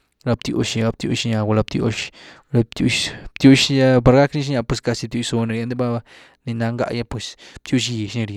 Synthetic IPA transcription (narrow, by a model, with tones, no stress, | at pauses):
ɾa˧b̚t̪jṵ˧ʃa˧ɡa˧b̚t̪ʲjṵ˧ʃɲa˧ɡa˧˨la˧bt̪ʲjo̰˧ʃ | la˧t̪u˧t̪ju˦ʃja˦pa˧ɾɡa˦kni˧ʃɲa˧pwe˧˨ska˧si˧b̚t̪ʲju˧so˧na˧ɾje˧nd̪e˦ba˦ba˧ | ni˧na˧ŋɡa̰˧ʔja˦pwe˧sb̚t̪ju˧ʃ̬i˧ʃni˧ɾje˧